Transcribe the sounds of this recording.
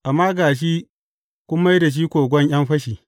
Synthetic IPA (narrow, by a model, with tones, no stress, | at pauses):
ʔa˨mːaː˦ɡaː˨ʃ̬iː˦ | kʷʊ˦mːa˦jda˨ʃ̬iː˦kʷoː˨ɡʷɔ˦ɲj̰ɐ˦mɸɐ˦ʃiː˨